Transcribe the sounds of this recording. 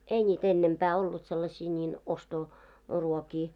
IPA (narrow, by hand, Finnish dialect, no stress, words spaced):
ei nʲiːt enːempæː olːut selːɑsʲiː nʲiːn osto ruokiː